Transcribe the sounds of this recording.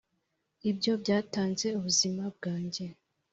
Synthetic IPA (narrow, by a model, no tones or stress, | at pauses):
ibɟo̞bɟaːtaːnze̞uβuzimab̚ɡaːɲɟe̞